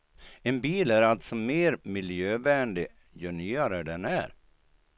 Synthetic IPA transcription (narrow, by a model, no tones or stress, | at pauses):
ɛnbiːlæɾalt̪sɔmeːɾmɪljøːvæːɳɖɪ | jœɳyːaɾəɖɛnæ̰ɾ